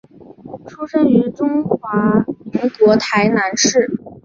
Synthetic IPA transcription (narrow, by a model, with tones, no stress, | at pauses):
ʈ͡ʂʰu˥ʂɤ˥ŋy˧˥ʈ͡ʂʊ˥ŋxwa˧˥mi˧˥ŋkwɔ˧˥t̪ʰa˧˥ɪna˧˥nʂɻ̩˥˩